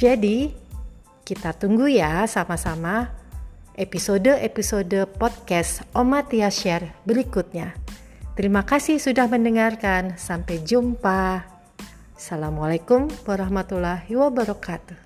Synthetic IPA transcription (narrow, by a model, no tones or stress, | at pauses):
d͡ʒadi | kit̪at̪uŋɡujasamasama | episodəʔepisodəpɔd̪̚kɛsomat̪iaʃɛrbəɾikut̪̚ɲa | t̪əɾimakasihsudahməndəŋarkansampɛjd͡ʒumpa | salamalakumwaɾaɦmat̪ulahiwabaɾɔkat̪u